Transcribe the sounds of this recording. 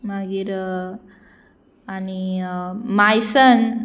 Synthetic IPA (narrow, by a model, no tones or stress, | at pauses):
maɡiɾ | ani | majsən